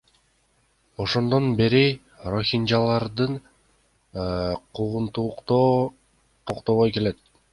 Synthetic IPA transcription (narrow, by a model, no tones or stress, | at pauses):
o̞ʃo̞nd̪o̞nbeɾi | roxʲinʲd͡ʒalˠɑɾd̪ɯn | qʰuʁunt̪uqt̪o | t̪ʰoqt̪oβˠojke̞le̞t̪̚